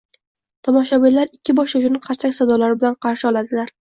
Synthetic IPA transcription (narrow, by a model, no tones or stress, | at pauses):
t̪ʰɒmɒʃabilaɾɪkʲːɪbɒʃaʃʊnɪqʰɑɾsakʲsad̪ɒlaɾɪbɪlanqʰɑɾʃɪɒlˠad̪ɪlaɾ